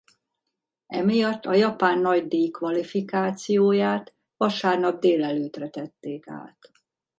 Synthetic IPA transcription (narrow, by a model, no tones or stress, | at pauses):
ɛmijɒt̪ːɒjɒpaːnːɒɟd̪eːkʋɒlifikaːt̪sijoːjaːt̪ | ʋɒʃaːrnɒb̚d̪eːlɛløːt̪rɛt̪ɛt̪ːeːka̰ːt̪